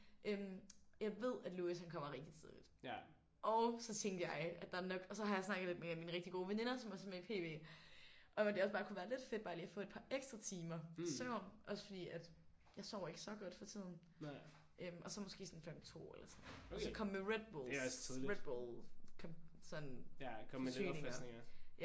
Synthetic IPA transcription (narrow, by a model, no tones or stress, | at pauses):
ʔømjɑ̈ɪʋe̝ð̞̰ˠæd̥luːishænkʰɒ̽m̰ɐʁeɡ̥̚d̥it͡sʰið̞ˠlid̥ | ʔɒʊsɒ̽t͡sʰeŋɡ̥əjɑ̈ɪæd̥ɑ̈ænɒ̽ɡ̥ɒ̽sɒ̽ɦɑjɑ̈ɪsnɑ̈ɡ̥ð̩ˠled̥meæmiːnʁɛɡ̥̚d̥iɡ̥o̝ːʋene̝nɐsɒ̽mʋɑsɒ̽meipʰe̝̰ːʋe̝̰ː | ʔɒ̽d̥e̝ɒ̽s̬bɑ̈ːkʰuʋæːɐle̝d̥fe̝d̥̚b̥ɑ̈ːliːɐfɔ̰̽ːe̝d̥pʰɑ̈ʔeɡ̥sd̥ʁɑ̈t͡sʰiːmɐsœʊ̰nʔɒ̽sə̥fɒd̥ḭːæd̥ | jɑ̈ɪsɒʊ̰e̝ɡ̥ə̥sɒ̽ɡ̥ɒ̽d̥fɒt͡sʰið̞̰ˠn̩ | ʔømʔɒ̽sɒ̽mɔsɡ̥e̝̰ːsɒ̽nfem̰t͡sʰo̝̰ːelɐsɒnɒsɒkʰɒ̽m̰ːeʁed̥̚b̥oːlʰiðˠʁed̥̚b̥oːlkʰɒ̽msɒ̽nkʰːø̰ne̝ɐjæ